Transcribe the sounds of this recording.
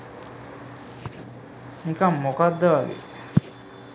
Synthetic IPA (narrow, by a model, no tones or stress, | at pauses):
nikamːokad̪ːəʋaʋḭ